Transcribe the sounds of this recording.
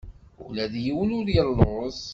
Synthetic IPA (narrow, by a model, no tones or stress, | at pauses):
ʊ̰læðjiwəlʊɾjəlˤːos